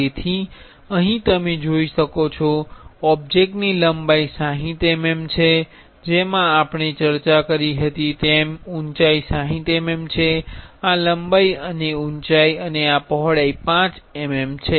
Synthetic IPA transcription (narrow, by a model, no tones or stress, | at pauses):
et̪ʰi | əɦĩt̪əmed͡ʒoiʃəkot͡ʃʰɔɔb̚d͡ʒek̚ʈniləmbaisãɦĩt̪ememt͡ʃʰe | d͡ʒemãapɳit͡ʃəɾt͡ʃakəɾiɦət̪it̪emunt͡ʃaisãɦĩt̪ememt͡ʃʰealəmbaiəneunt͡ʃaiəneapɔɦɽaipãt͡ʃememt͡ʃʰe